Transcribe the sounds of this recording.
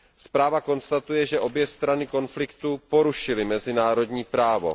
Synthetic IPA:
spɾaːvako̞nst̪at̪ujɛʒɛʔo̞bjɛst̪ɾanɪko̞nflɪkt̪upo̞ɾuʃɪlɪmɛzɪnaːɾo̞dɲiːpɾaːvo̞̰

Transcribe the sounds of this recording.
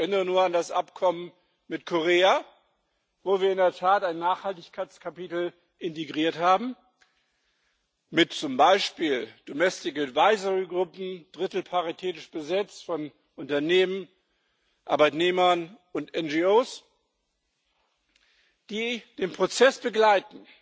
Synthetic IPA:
ʔɛʔɪnəʁənuːɐandasʔapkʰɔmən | mɪtkʰoʁeːa | voːviːɐɪndeɐtʰaːtaɪnːaːχhaltɪçkʰaɪt͡skʰapitl̩ | ʔɪnteɡʁiːɐthaːbm̩ | mɪtt͡sʊmbaɪʃpiːld̥omɛstɪkmɪtvaɪzəʁiɡʁʊpm̩d̥ʁɪtl̩pʰaʁitʰeːtɪʃb̥əzɛt͡stfɔn | ʔʊntɐneːmən | ʔa̰ɐbaɪtneːmɐn | ʊntɛnd͡ʒioːs | d̥iːd̥eːnpʁ̥ot͡sɛsb̥əɡlaɪtn̩

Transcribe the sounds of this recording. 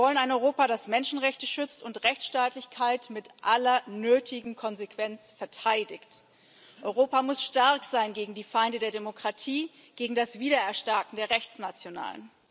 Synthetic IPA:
vɔlənaɪnɔʏʁoːpaɾasmɛnʃn̩ʁɛçtəʃʏt͡stʊntʁɛçt͡sʃtaːtlɪçkʰaɪtmɪtʔalɐnøːtʰɪɡŋ̩kʰɔnzekv̥ɛnt͡sfɛɐtʰaɪdɪçt | ʔɔʏʁoːpamʊsʃtaɐkz̥aɪnɡeːɡŋ̩diːfaɪndədeːɐdemokʁ̥atʰiː | ɡ̥eːɡŋ̩dasv̥iːɾɐɛɐʃtaːkŋ̩deːɐʁɛçt͡snat͡sjona̰ːlə̰n

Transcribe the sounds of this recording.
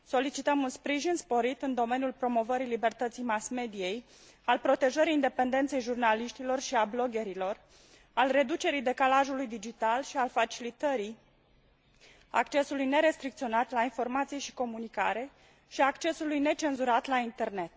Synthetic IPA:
so̞lit͡ʃit̪əmunspɾiʒinspo̞ɾit̪ɨnd̪o̞me̞niulpɾo̞mo̞vəɾilibe̞rt̪ət̪sijmasme̞d̪ije̞j | alpɾo̞t̪e̞ʒəɾiːnd̪e̞pe̞nd̪e̞nt̪se̞jʒurnaliʃt̪ilo̞rʃiablo̞ɡʲe̞ɾilo̞r | alre̞d̪ut͡ʃe̞ɾijd̪e̞kalaʒulujd̪id͡ʒit̪alʃialfat͡ʃilit̪əɾi | a̰kt͡ʃe̞sulujne̞ɾe̞st̪ɾikt̪io̞nat̪lainfo̞rmat̪sije̞ʃi̥ko̞munika̰ɾe̞ | ʃiakt͡ʃe̞sulujne̞t͡ʃe̞nzuɾat̪laint̪e̞rne̞t̪

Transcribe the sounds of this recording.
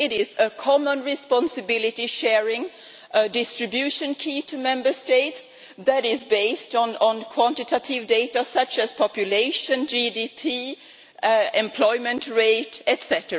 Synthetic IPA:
ɪɾɪzəkʰɑmə̃nɹɪspɑ̃nsɨbɪlˠɪɾiʃɛɹɪ̃ŋ | ədɪstɹ̥ɨbjʉʃɨ̃nkʰitʰɨmɛ̃mbə˞steɪts | ðɨɾɪzbeɪstñ̩nkʰw̥ɑ̃ntɨtʰəɾɪvdeɪɾəsʌt͡ʃɨz̥pʰɑpjʊleɪʃɨ̃nd͡ʒidipʰi | ɛ̃mpʰl̥ɔɪmɨ̃ntɹeɪtɛtsɛɾə˞

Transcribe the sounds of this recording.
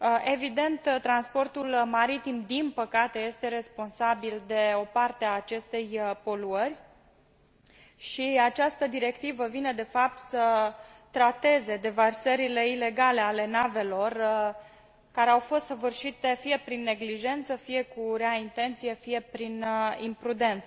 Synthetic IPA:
ʔe̞vid̪e̞nt̪t̪ːɾanspo̞rt̪ulmaɾit̪imd̪inpəkat̪e̞je̞st̪e̞ɾe̞spo̞nsabild̪e̞o̞part̪eaːt͡ʃe̞st̪e̞jpo̞luərʲ | ʃiat͡ʃast̪əd̪iɾe̞kt̪ivəvine̞d̪e̞fap̚t̪sə | t̪ɾat̪e̞ze̞d̪e̞varsəɾile̞ile̞ɡale̞ale̞nave̞lo̞r | kaɾeawfo̞st̪səvɨrʃit̪e̞fije̞pɾinːe̞ɡliʒe̞nt̪səfije̞kuɾeaint̪e̞nt̪sije̞fije̞pɾinimpɾud̪e̞nt̪sə

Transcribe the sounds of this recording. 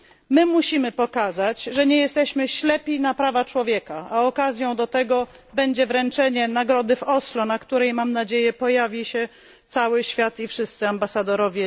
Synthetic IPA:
mɘmuɕimɘpɔkazat͡ɕʐɛɲɛjɛst̪ɛɕmɘɕlɛpʲinapɾavat͡ʂwɔvʲjɛkaaɔkazʲjɔ̃w̃d̪ɔt̪ɛɡɔ | bɛɲd͡ʑɛvɾɛnt͡ʂɛɲɛnaɡɾɔd̪ɘfɔslɔnakt̪uɾɛjmamnad͡ʑejɛpɔjavʲiɕɛ | t̪sawɘɕfʲjat̪ifʂɘst̪sɘambasad̪ɔɾɔvʲjɛ

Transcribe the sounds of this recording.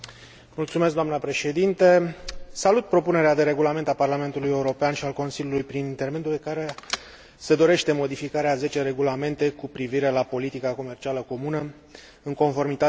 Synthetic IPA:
mult̪sume̞s̬ɡd̪oamnəpɾe̞ʃe̞d̪int̪e̞salut̪̚pɾo̞pune̞ɾead̪e̞ɾe̞ɡulame̞nt̪aparlame̞nt̪uluje̞uɾo̞peanʃialko̞nsilʲjulujpɾinint̪e̞rme̞d̪uekaɾe̞ | se̞d̪o̞ɾe̞ʃt̪e̞mo̞d̪ifikaɾeaze̞t͡ʃe̞ɾe̞ɡulame̞nt̪e̞kupɾiviɾe̞lapo̞lit̪ikako̞me̞rt͡ʃialəko̞munə | ɨŋko̞nfo̞rmit̪a

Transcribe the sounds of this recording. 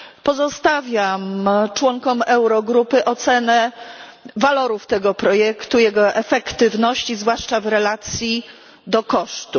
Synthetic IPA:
pɔzɔst̪avʲjamt͡ʂwɔŋkɔmɛwɾɔɡɾupɘʔɔt̪sɛnɛ | valɔɾuft̪ɛɡɔpɾɔjɛkt̪ujɛɡɔʔɛfɛkt̪ɘvnɔɕt͡ɕizvwaʂt͡ʂavɾɛlat̪sʲji | d̪ɔkɔʂt̪u

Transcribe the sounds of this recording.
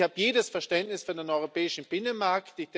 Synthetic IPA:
haːbəjeːdəsfɛɐʃtɛntnɪsfyɐdenʔɔʏʁopɛːɪʃn̩b̥ɪnənmaɐktɪd̥

